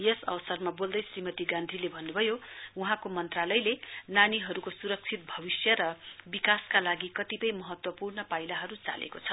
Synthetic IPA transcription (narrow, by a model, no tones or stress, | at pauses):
jʌsʌ̰bʌsʌrmabold̪ʌjsrimʌt̪iɡãnd̪ʱilebʱʌnːubʱʌjouɦãkomʌnt̪ralʌjlenaniɦʌɾukosuɾʌk̚t͡sʰit̪̚bʱʌbisjʌɾʌbikaskalaɡikʌt̪ipʌjmʌɦʌt̪wʌpurnʌpajlaɦʌɾut͡sa̰lḛkot͡sʰʌ